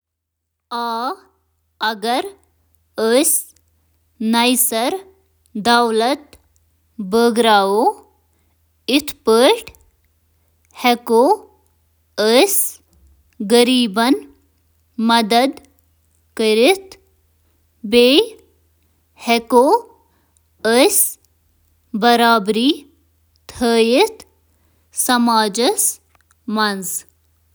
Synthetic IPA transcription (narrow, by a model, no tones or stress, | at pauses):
aː | ɐɡɐɾ | əs | nɐjsɐɾ | d̪awlɐt̪ | bəɡɾaːo | it̪ʰpəʈ | heko | əs | ɡəɾiːbɐn | mɐd̪ɐd̪ | kəɾit̪ | beː | heko | əs | bɐɾaːbɾiː | t̪ʰəːjit̪ʰ | sɐmaːd͡ʒəs | mɐnz